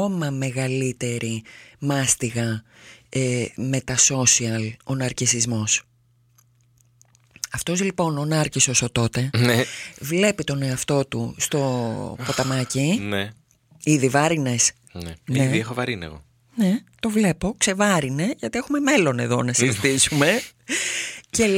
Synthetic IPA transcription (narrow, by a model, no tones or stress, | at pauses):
o̞mɐme̞ɣɐlit̪e̞ɾʔimɐst̪iɣɐ | eme̞t̪ɐso̞siɐlonɐɾcisizmo̞s | ɐft̪o̞zlipo̞nonɐɾcisosot̪o̞t̪e̞ | vle̞pit̪o̞ne̞ɐft̪o̞t̪ṵst̪o̞̰po̞t̪ɐmɐcine | iðivɐɾine̞s | neniðiexovɐɾin̰ɣo̰ | ne̞t̪o̞vle̞po̞kse̞vɐɾine̞ʝɐt̪iexume̞me̞lo̞ne̞ðo̞nɐsizit̪isume̞ | ce